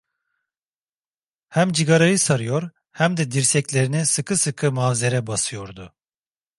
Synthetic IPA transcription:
hæmd͡ʒiɡaɾajɯsaɾɯjo̞ɾ | hæmd̪ɛd̪iɾsɛclʲe̞ɾinisɯkʰɯsɯkʰɯmavze̞ɾɛbasɯjo̞ɾd̪ʊ

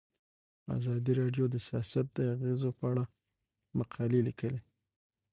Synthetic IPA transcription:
a̰zɑd̪iɾɑɖjod̪əsijɑsat̪̚d̪əaɣezopəaɽa | maqʰɑlilikəle

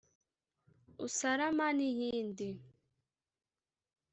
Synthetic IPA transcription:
usaɾamanihindi

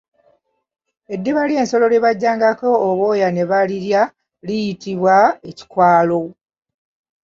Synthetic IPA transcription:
e̞dːeβalie̞ːnso̞lo̞leβaɟːaːŋɡako̞ːβo̞ːjane̞βaliɾja | lijitiβwae̞ci̥kwaːlo̞

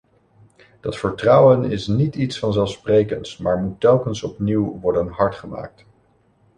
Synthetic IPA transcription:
d̥ɑtfəɹtrʌwənɪ̰snititsfɑnzɛlˠfsprejkənsmaːɹmutːɛlˠkənsɔpniwʋɔɹdənɦɑɹtχəma̰ːk̚t

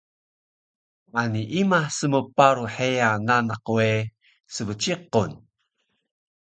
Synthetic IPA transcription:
ʔaniʔimasəməpaɾuħejananaque | səvət͡ʃiqun

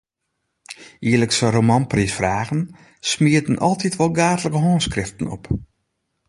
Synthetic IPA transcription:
iələksəromɔnprisfraːɣən | smiətənʔɔlˠtʰitʰʋɔlˠɡaːtələkəɦɔːnskrɪftən̩ɔ̰p

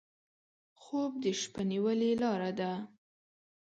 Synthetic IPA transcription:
xob̚d̪əʃpaniwəlelɑɾad̪a

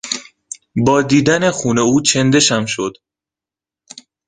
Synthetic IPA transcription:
bɒːd̪iːd̪æne̞xuːne̞uːt͡ʃʰe̞nd̪e̞ʃæmʃod̪̥

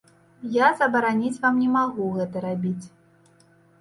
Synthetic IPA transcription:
jazɐbɐɾanʲit͡sʲvamnʲɛmaɣuɣɛt̪ɐɾabʲit͡sʲ

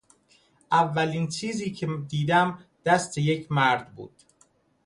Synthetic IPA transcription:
ʔævːæliːnt͡ʃʰiːziːcʰed̪iːd̪æmd̪̥æst̪ʰeje̞cʰmæɾd̪bṵːd̪̥

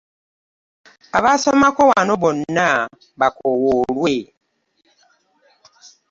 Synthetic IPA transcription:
aβasɔmakɔwanobɔnːa | bakɔwoɾwe

